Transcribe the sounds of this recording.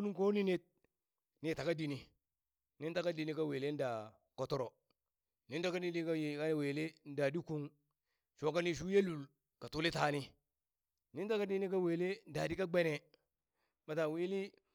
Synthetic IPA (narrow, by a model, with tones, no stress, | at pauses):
u˦nu˦ŋ˦ko˦ni˦ni˦t̚ | ni˦˨ta˨ka˦di˨ni˨ | ni˦n˦ta˦ka˦di˨ni˦ka˦we˨le˦n˦da˨ | ko˦to˦ɾo˨ | ni˦ta˦ka˦di˦i˦ka˦je˨ka˦˨weː˨le˦n˦da˨di˦ku˦ŋ | ʃo˨˦ka˦ni˦˨ʃ̬u˦je˦lu˨l | ka˨tu˦li˦ta˨ni˦ | ni˦nta˦ka˦di˦ni˦ka˦we˨le˦n˨da˨di˦ka˦ɡ͡be˦ne˨ | ma˨ta˨wi˦li˦